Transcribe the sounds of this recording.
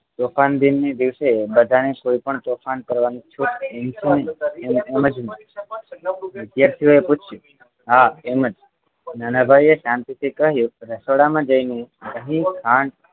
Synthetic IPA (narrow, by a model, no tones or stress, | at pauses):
t̪ofand̪inːed̪iʋsebəd̪ʱanekoipəɳt̪ofʰankəɾʋanit͡ʃʰuʈemt͡ʃʰenəiememəd͡ʒne | ʋɪd̪jaɾt̪ʰijoeput͡ʃʰju | ɦaeməd͡ʒ | nanabʱajeʃãnt̪it̪ʰikəɦjũɾəsoɽamãd͡ʒəineɡəɦĩkʰãɳɖ